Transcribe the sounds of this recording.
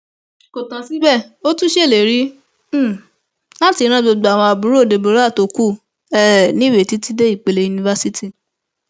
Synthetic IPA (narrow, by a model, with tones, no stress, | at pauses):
ko˨tã˨si˦bɛ˦˨o˦tũ˦ʃe˦˨le˨ɾi˦˨ | la˦ti˧˦ɾ̃ã˦ɡ͡bo˧ɡ͡ba˨w̃ɔ̃˧a˨bu˨˦ɾo˦˨de˨bo˨˦ɾa˦˨to˨ku˦˨ | ɛ˦nĩ˦we˨ti˦ti˦de˦i˦˨k͡pe˨le˧ju˨˧nĩ˧va˦si˦ti˦˨